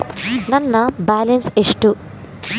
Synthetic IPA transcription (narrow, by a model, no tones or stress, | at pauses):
nɐnːɐbaːlenseʂʈu